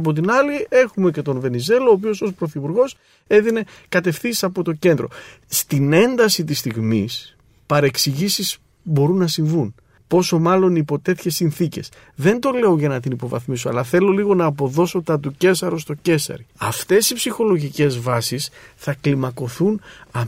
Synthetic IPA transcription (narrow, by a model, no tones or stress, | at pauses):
ɐp̬o̞t̪̬inɐlie̞xume̞ce̞t̪o̞nve̞nize̞looːp̬io̞so̞spɾo̞θipuɾɣo̞s | e̞ðine̞ | kɐt̪e̞fθiisɐpo̞t̪o̞ce̞nd̪ɾo̞̰ | st̪ine̞nd̪ɐsit̪ist̪iɣmis | pɐɾe̞ksiʝisis | bo̞ɾunːɐsiɱvun | po̞so̞mɐlo̞nipo̞t̪e̞t̪çe̞sːinθice̞̰s | ðe̞nd̪o̞le̞o̞ʝɐnɐt̪inipo̞vɐ̰θmis̬o̞ɐ̰lɐθe̞lo̞liɣo̞nɐːpo̞ðo̞so̞t̪ɐt̪̬uce̞sɐɾo̞st̪o̞ce̞sɐ̰ɾiɐft̪e̞sipsixo̞lo̞ʝice̞zvɐsisθɐklimɐko̞θunɐ